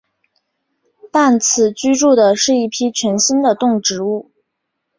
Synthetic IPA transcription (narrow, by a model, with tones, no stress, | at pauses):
t̪a˥˩nt͡s̩ʰ˨˩t͡ɕy˥ʈ͡ʂu˥˩d̪ə˩ʂɻ̩˥˩i˥˩pʰi˥t͡ɕʰɥɛ˧˥nɕi˥nd̪ə˨t̪ʊ˥˩ŋʈ͡ʂɻ̩˧˥u˥˩